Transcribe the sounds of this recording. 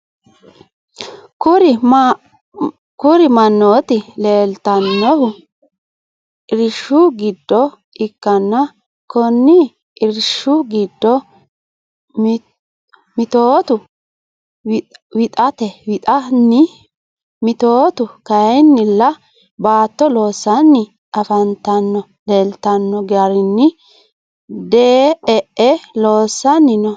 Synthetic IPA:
kʊɾɪ | kʊɾɪmɐnːoːt̪ɪle̞ːlt̪ɐnːɔhʊ | ɪɾʃʊɡɪd̪ːɔ | ɪkːɐnːɐ | kɔnːɪ | ɪɾɪʃːʊɡɪd̪ːɔ | mɪt̪oːt̪ʊ | wɪt̪ʼɐt̪ɛwɪt̪ʼɐnɪ | mɪt̪oːt̪ʊkɐjjnːɪlːɐ | baːt̪ːɔlo̞ːsːɐnːɪ | ɐfɐnt̪ɐnːɔ | lelt̪ɐnːɔɡɐɾɪnːɪ | d̪ɛɛʔɛlo̞ːsːɐnːɪnɔ

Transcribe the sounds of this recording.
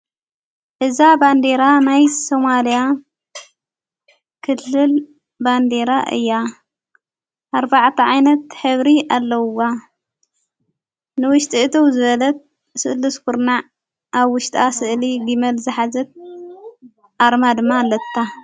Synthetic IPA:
ʔɨzaband̪eɾanajsomalija | kʰɨlːɨl | band̪e̞ɾaʔɨ̰jːa | ʔaɾbaʕt̪ʰɐʕajnɐt̪ħɨβɾiʔalːɐwa | nɨwʊʃt̪ʼiʔɨt̪ʰowzɨβɐlɐt̪̚ | sɨ̰ʔlɨskuɾna | ʔaβwʊʃt̪ʼasɨʔliɡimɐlzɨħazɐt̪̚ | ʔaɾmad̪ɨmːalːɐt̪ʰːa

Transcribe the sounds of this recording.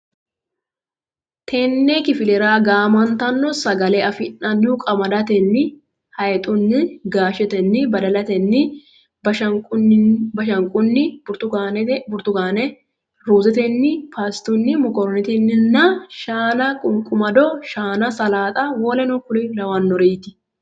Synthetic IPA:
t̪ʰeːnːɛkɪfɪlɛɾaːɡaːmɐnt̪ɐnːɔsɐɡɐleɐfɪnːɐnːukʼɐmɐd̪ɐt̪ɛnːɪ | hɐjɛt̪ʼʊnːɪɡaːʃɛt̪ɛnːɪbɐd̪ɐlɐt̪ɛnːɪ | bɐʃɐbɐʃɐŋkʼʊnːɪbɾt̪ʊɡnbʊɾt̪ʊɡaːnɛ | ɾuːzɛt̪ɛnːɪpʰast̪ʊnːɪmɔkɔɾɔnɛt̪ɛnːɪnːɐʃaːnɐkʼʊŋkʼʊmɐd̪ɔʃaːnɐsɐlaːt̪ʼɐwɔːlɛnɔkʊlɪlɐwɐnːɔɾeːt̪ɪ̥

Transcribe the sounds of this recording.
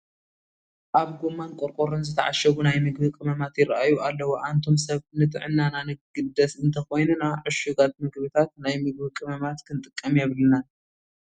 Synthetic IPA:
ʔaβɡomankʼoɾkʼoɾɨnzɨt̪ʰɐ̰ʕa̰ʃɐβunajmɨɡbɨkʼɨmɐmat̪jɪɾaʔajualːɐwoʔant̪ʰo̞msɐβnɨt̪ʼɨ̰ʕɨnːananɨɡɨd̪ɐsɨnt̪ʰɐxo̞jnunaʕʊʃɨɡat̪̚mɨɡβɨt̪ʰat̪̚najmɨɡ̚bɨkʼɨmɐmat̪kʰɨnt̪ʼɨkʼːɐmjɛβlna

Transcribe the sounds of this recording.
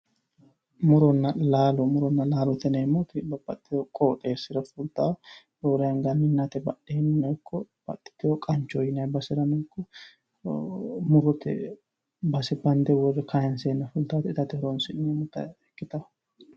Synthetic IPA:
mʊɾɔnːɐlaːlɔmʊɾɔnːɐlaːlɔt̪ɛnɛmːot̪bɐbɐt̪ːɪɔkʼoːt̪ʼeːsɪɾɐfʊlt̪aː | doːɾɐjɐŋɡɐnɪnːɐt̪ɛbɐɗennːɛkʰːɔb̥ɐ̰t̪ːɪ̥t̪ːɪjɔkʼɐnt͡ʃːɔjɪnɐbɐsɪɾɐnɛkːɔ | mʊɾɔt̪ɛ̰ | bɐsɛbɐnd̪ɛwɔrːɛkʰɐjɐnseːnːɐfʊlt̪aːt̪ɛɪt̪ɐt̪ɛhɔɾɔnsɪnɛmʊt̪ɐ̰ɛkːɪt̪ɐ

